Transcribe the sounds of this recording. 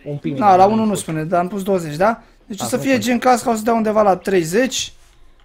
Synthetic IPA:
nalaununuspuned̪aampus̬d̪o̞wəze̞t͡ʃʲd̪a | d̪et͡ʃosəfije̞t͡ʃeŋkaskaos̬əd̪eaund̪e̞valat̪ɾe̞jze̞t͡ʃʲ

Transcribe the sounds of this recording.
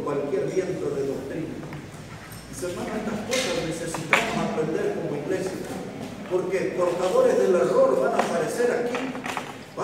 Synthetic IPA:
kwalkjeɾβje̞nt̪oðeðo̞k̚t̪ɾina | isemãnaet̪ahkosasnesesit̪amosapɾe̞nd̪eɾko̞moiɣle̞sjapo̞ɾkepoɾt̪aðoɾezðelero̞ɾoβanapaɾese̞ɾaki | b̥a

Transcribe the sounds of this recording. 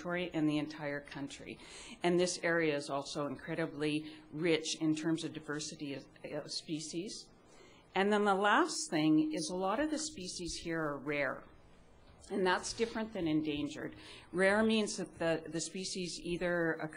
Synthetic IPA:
ɔɹiʔɨ̃nðiɨ̃ntʰaɪə˞kʰʌ̃nt͡ʃɹ̥ḭ | ɨ̃nðɪsɛɹiɨɨzɔlˠsoʊə̃nkʰɹ̥ɛɾɨbliɹɪt͡ʃɪ̃ntʰɜ̃˞mzʌvdaɪvɜ˞sɨɾi | ʌv̥spiʃiz̥ | ɨ̃nðə̃nðəlæsθɪ̃ŋɪzəlɔɾʌvðɨspiʃiz̥hiɹə˞ɹɛɹ | ɨ̃nðætsd̥ɪfɹɨ̃nðɨ̃nɨ̃ndẽɪ̃nd͡ʒə̰˞d̚ɹɛɹmĩnzðɨt̪̚ðɨðɨspiʃiziðə˞ɨkʰ

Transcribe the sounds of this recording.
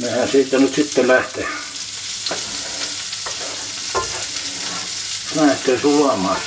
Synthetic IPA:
nehæsiːt̪ːænyt̪sit̪ːelæht̪e | læht̪eːsuɑmɑːˑs

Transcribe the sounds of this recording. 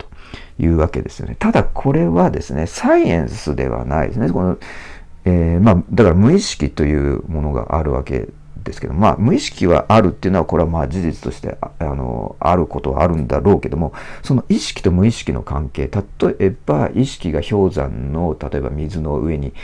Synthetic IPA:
t̪o̥ | jɯ̟ːβake̞d̪e̞sɨ̥jo̞̰ne̞t̪ad̪akʰo̞ɾe̞βad̪e̞sɨne̞saiẽ̞ɰ̃sɨd̪e̞̰βa̰naḭd̪esɨnekono | eːmaːd̪akaɾamɯ̟iɕi̥kʲit̪o̞jɯ̟ːmo̞no̞ɡa̰ʔaɾɯ̟βa̰ke̞̰ | d̪̥e̞sɨ̥ke̞d̪omma̰mɯ̟iɕi̥kʲiβa̰ʔaɾɯ̟t̪ːeiɯ̟noako̞ɾe̞amaːd͡ʑiʑit͡sɨ̥t̪o̞ɕi̥t̪e̞̰ano̰aɾɯ̟ko̞t̪o̞βa̰ːɾɯ̟̃nd̪aɾo̞ːke̞d̪o̞mo̞so̞no̞ʔiɕi̥kʲi̥t̪o̞mɯ̟iɕi̥kʲino̞̰kãŋke̞ːt̪at̪o̞ʔeb̥aiɕi̥kʲiɡaço̞ːzã̰nːo̞t̪at̪o̞e̞bamʲizɨno̞ʔɯ̟e̞ɲ̟i

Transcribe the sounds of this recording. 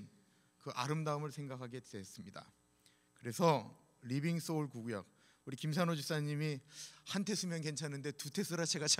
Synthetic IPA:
kɯʔa̰ɾɯmdaɯmɯɭsʰe̞ŋɡakʰaɡe̞dees͈ɯmɲida̰ | kɯɾe̞sʰʌ | ɾibiŋs͈ouɭkuɡuja̰k̚ | uɾikims̬ʰanod͡ʑis͈aɲimihantʰe̞sʰumjʌnke̞nt͡ɕʰanɯnde̞tutʰe̞sʰɯɾat͡ɕʰe̞ɡat͡ɕʰ

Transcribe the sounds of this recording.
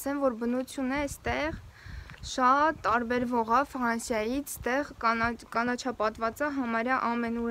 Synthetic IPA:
sɛmvɔɾbənut͡sʰjunəɛst̪ɛʁ | ʃɑt̪ːɑɾbɛɾvɔʁɑfɾɑnsjɑjit͡sʰst̪ɛʁkɑnɑt͡ʃʰɑpɑt̪vɑt͡sɑɦɑmɑɾjɑʔɑmɛnu

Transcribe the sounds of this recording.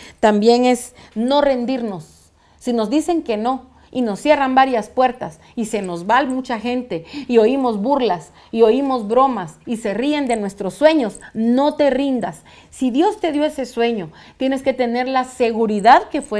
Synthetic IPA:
t̪ambje̞ŋe̞sno̞re̞nd̪iɾno̞sː | ino̞zd̪ise̞ŋke̞no̞ | ino̞sje̞rambaɾjaspwe̞ɾt̪as | ise̞no̞zβalmut͡ʃaxe̞nt̪e̞io̞imo̞zβuɾlas | io̞imo̞zβɾo̞masise̞rie̞nd̪e̞nwe̞st̪ɾo̞sːwe̞ɲo̞sno̞t̪e̞rind̪asː | iðjo̞st̪e̞ðjo̞ese̞swe̞ɲo̞ | t̪je̞ne̞sket̪e̞ne̞ɾlase̞ɣuɾiðaðke̞fwe

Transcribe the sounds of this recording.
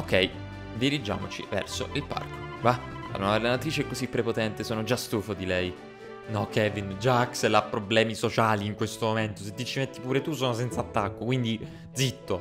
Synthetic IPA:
okɛj | d̪iɾid͡ʒːa̰ːmot͡ʃḭvɛ̰rso̰ʔilpa̰rko̥ba | a̰lonaelanat̪ɾiːt͡ʃeɛkːozipːɾepot̪ɛnt̪esoɔːnod͡ʒast̪uːfod̪ilɛj | nɔkʰːɛvind͡ʒakselapːɾoblɛːmisot͡ʃaːliːŋkwest̪omoment̪oset̪ːit͡ʃːimet̪ːipuːɾet̪usoːnos̬ɛnt̪sat̪ːakːokwind̪i | d̪zit̪ːo

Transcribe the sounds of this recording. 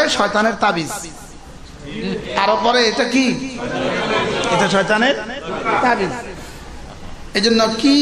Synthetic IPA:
eʃɔet̪aneɾt̪abis | aɾopɔɾeeʈaki | eʈaʃɔjt̪aneɾt̪abis | ed͡ʑonːoki

